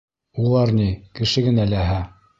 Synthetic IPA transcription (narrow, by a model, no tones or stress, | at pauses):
ulˠɑɾnikɘ̆ʃɘɡɘ̆nælæɦæ